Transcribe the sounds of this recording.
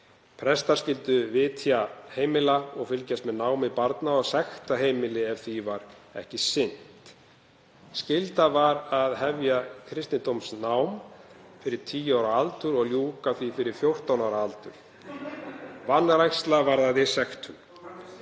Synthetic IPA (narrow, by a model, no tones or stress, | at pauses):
pʰɾɛst̪aɾ̥scɪlt̪ʏvɪt̪ʰjaheːjmɪlaɔɣfɪlcast̪mɛðnaːwmipaɾt̪naɔsɛxt̪aɦeːjmɪlɪɛvθivaɾɛ̰hcɪsɪn̥t̪ | scɪlt̪avaɾaðɦɛvjakʰɾɪst̪ɪnt̪owmsnawmfɪɾɪɾ̥t̪ʰiːjaːwɾaalt̪ʏɾɔɣljuːkaθvifɪɾɪɾ̥fjowr̥t̪awnawɾaalt̪ʏ̰ɾ̥ | vanːɾajxst̪lavaɾðaðɪsɛxt̪ʰʏn